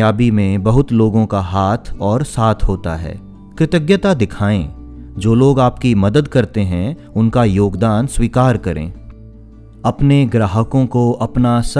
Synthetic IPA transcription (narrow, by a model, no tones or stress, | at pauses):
jaːbimẽbɐɦʊt̪loːɡõkaɦaːt̪ʰɔːɾsaːt̪ʰɦoːt̪a̰ɦɛ̰ː | kɾɪt̪əɡjət̪ad̪ɪkʰaːẽd͡ʒoːloːɡaːpkimɐd̪əd̪kɐɾt̪eɦɛ̃ | ʊnkajoːɡd̪aːnswiːkaːɾkɐɾʔḛ̃ː | ɐpneɡɾaːɦəkõkoɐpnas